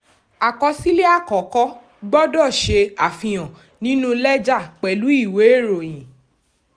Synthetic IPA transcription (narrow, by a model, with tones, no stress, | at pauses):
a˨kɔ˧si˦le˦a˦˨kɔ˨˦kɔ˦ | ɡ͡bɔ˦dɔ˦˨ʃe˧a˨fĩ˧j̃ɔ̃˨ | nĩ˨˦nũ˦lɛ˦d͡ʒa˦˨k͡pɛ˨lu˨˦i˦˨we˨˦e˦˨ɾo˨j̃ĩ˨